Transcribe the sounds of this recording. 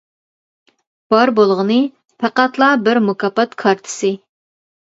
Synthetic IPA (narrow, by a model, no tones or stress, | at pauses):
b̥ɑɾbolˠʁənɨ | pʰæqɑt̪lˠɑbɪɾmukʰɑpːɑt̪kʰɑɾt̪ʰɨ̥sɨ